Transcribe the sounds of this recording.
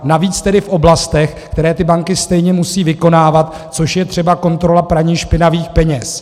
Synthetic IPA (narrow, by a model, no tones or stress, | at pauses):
naviːt͡st̪ɛdɪfʔo̞blast̪ɛxkt̪ɛɾɛːt̪ɪbaŋkɪst̪ɛjɲɛmusiːvɪko̞naːvat̪ | t͡so̞ʃjɛt̪r̝̥ɛbako̞nt̪ɾo̞lapɾaɲiːxʃpɪnaviːxpɛɲɛs